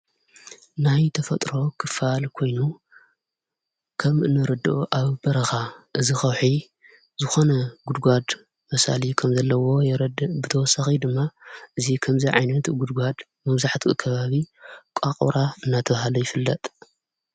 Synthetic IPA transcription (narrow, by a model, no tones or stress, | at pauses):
najt̪ʰɐfɐt̪ʼɾo̞kʰɨfalkʰo̞jnu | kʰɐmʔɨnɨɾɨd̪oʔaβbɐɾɐxaʔɨzixɐwħi | zɨxo̞nɐɡud̪ɡʷad̪ | mɐsa̰likʰɐmzɐlːɐwo̞jɾd̪bɨt̪ʰɐwɔsːaxid̪ɨmːaʔɨzikʰɐmziʕajnɐt̪ɡud̪ɡʷad̪ | mɐβzaħt̪ʰukʰɐβaβikʷʼaqʼṵɾaɨnːat̪ʰɐβahalojɪfɨlːɐt̪ʼ